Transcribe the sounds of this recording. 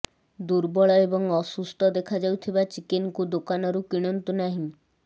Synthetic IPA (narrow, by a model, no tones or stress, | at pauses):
d̪uɾbɔɭɔebɔŋɔsust̪ɔd̪ekʰad͡ʒawt̪ʰibat͡ʃikenkud̪okanɔɾukiɽ̃ɔnt̪unaɦĩ